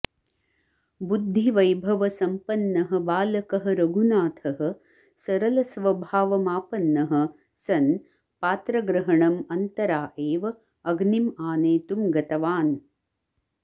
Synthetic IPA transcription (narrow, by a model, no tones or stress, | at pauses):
bud̪ʱːiʋɐjbʱɐʋɐsɐmpɐnːɐɦɐ̆baːlɐkɐɦɐ̆ɾɐɡʱunaːt̪ʰɐɦɐ̆ | sɐɾɐlɐsʋɐbʱaːʋɐmaːpɐnːɐɦɐ̆ | sɐn | paːt̪ɾɐɡɾɐɦɐɳɐmɐnt̪ɐɾaːʔeːʋɐ | ɐɡnimaːneːt̪umɡɐt̪ɐʋaːn